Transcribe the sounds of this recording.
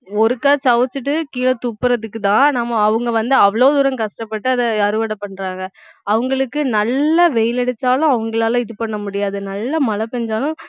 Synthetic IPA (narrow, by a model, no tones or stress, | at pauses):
ɔɾɯkːaːt͡ʃɐʋɐt͡ʃːɯʈ̬ːɯkiːlɐt̪upːɯɾɐðɯkːɯt̪ãːnaːmɐːʋɯŋɡɐʋɐnd̪ɯɐʋɐɭoːd̪ʊɾɐ̃ŋkɐsʈɐpːɐʈːɯɐðɐɐɾɯʋɐɽɐpːɐɳːɾaːŋɡɐɐʋɐŋɡɐɭɯkːɯnɐlːɐʋɛjɪlɛɽɯt̪ːaːlʊ̃ɐʋɐŋɡɐɭaːlɐ̃ɪðɯpɐɳːɐmʊɽɪjaːðɯnɐlːɐmɐlɐpɛɲd͡ʒaːlʊ̃